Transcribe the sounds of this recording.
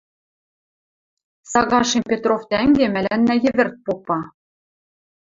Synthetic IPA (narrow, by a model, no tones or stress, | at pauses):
sɑɣɑʃempʲet̪roft̪æŋɡʲemælʲænːæjɘ̆βɘ̆rt̪̚popːɑ